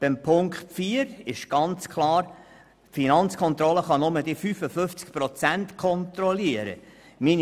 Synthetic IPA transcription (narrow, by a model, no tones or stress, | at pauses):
b̥ɪmpʰʊŋkχtfiːəɾɪʃɡ̥ɑnt͡skʰlˠɑːɾ | finɑnt͡skʰɔnt̪ɾɔləχɑnʊmədifyfəfʏft͡skpɾɔt͡sænt̪kʰɔnt̪ɾɔliəɾə̰ | min